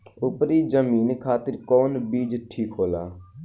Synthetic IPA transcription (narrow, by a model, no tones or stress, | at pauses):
ʊpɾiːd͡ʒəmiːnkʰaːt̪ɪɾkɔːnbiːd͡ʒʈʰiːkɦoːlaː